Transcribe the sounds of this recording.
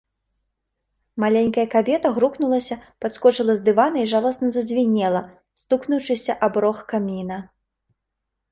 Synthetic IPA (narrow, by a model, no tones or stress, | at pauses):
malʲɛnʲkɐjɐkabʲɛt̪ɐɣɾuknulˠɐsʲɐpat̪skɔt͡ʂɨlˠɐzd̪ɨvanɐiʐalˠɐsnɐzɐzʲvʲinʲɛlˠɐ | st̪uknut͡ʂɨsʲɐʔabɾɔxkamʲinɐ